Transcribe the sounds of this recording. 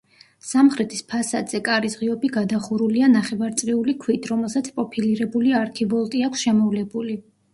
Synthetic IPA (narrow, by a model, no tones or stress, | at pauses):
samχɾɛt̪ʰispʰasad̪z̥ɛkʼaɾisʁiɔbiɡad̪aχuɾulianaχɛvaɾt̪sʼqʼiulikʰwit̪ʰɾɔmɛlˠsat̪sʰpʼɔpʰiliɾɛbuliaɾkʰivɔlˠt̪ʼiakʰʷsʃɛmɔvlɛbuli